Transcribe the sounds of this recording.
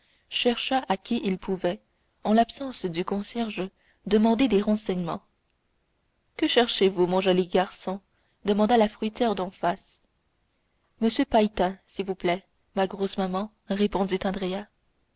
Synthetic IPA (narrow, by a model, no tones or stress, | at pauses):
ʃɛʁʃaʔakʲiʔilpʰuvɛ | ɑ̃lapsɑ̃sd̪ykɔ̃sjɛʁʒə | d̪əmɑ̃d̪ed̪eʁɑ̃sɛɲmɑ̃ | kəʃɛʁʃevumɔ̃ʒɔliɡaʁsɔ̃ | d̪əmɑ̃d̪alafχɥit̪jɛʁd̪ɑ̃fas | məsjøpajt̪ɛ̃silvuplɛ | maɡʁosmamɑ̃ | ʁepɔ̃d̪it̪ɑ̃d̪ʁea